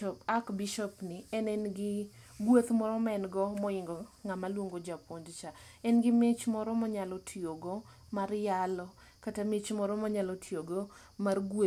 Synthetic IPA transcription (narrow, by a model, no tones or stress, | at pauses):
pakbiʃɔpniɛnɛnɡɪɡwot̪mɔɾɔmɛnɡɔmɔɪŋɡɔŋamalwoŋɡod͡ʒapondt͡ʃa | ɛnɡɪmet͡ʃmɔɾɔmɔɲalɔtʰioɡɔ | marjalɔ | katamet͡ʃmɔɾɔmɔɲalɔtʰioɡo | marɡo